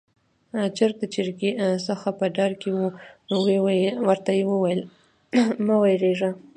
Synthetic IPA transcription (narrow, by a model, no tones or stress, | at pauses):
t͡ʃeɾt̪at͡ʃɪɾɡisəxapəɖɑɾkewunowewwəɾt̪ajewəwajəl | mawajɾeʐa